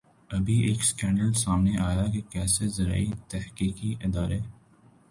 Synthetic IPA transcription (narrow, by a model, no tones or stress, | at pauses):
ɐbʱiʔeːkskɛ̃ːɳɖəlsaːmneʔaːjakekɛːsezɐɾa̰ːit̪ɐhkiːkiʔɪd̪aːɾeː